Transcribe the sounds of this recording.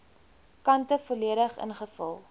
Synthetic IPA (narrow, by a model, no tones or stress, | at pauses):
kɐntəfoliəɾəχə̰nχəfə̰lˠ